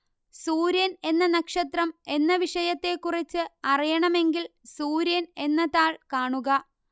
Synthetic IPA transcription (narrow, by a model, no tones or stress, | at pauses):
suːɾjɐne̞nːɐnɐkʂɐt̪rɐme̞nːɐʋiʂɐjɐt̪ːe̞kːurit͡ɕːɨɐrijɐɳɐme̞ŋɡilsuːɾjɐne̞nːɐðaːɭkaːɳuɣɐ